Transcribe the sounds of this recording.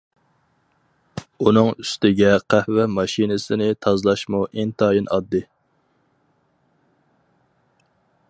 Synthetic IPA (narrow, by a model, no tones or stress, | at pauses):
unɨŋyst̪ɪɡʲɛqʰæhvɛmɑʃinɨsɪnɪt̪ʰɑzlˠɑʃmuʔent̪ʰɑːjinʔɑd̪ːɨ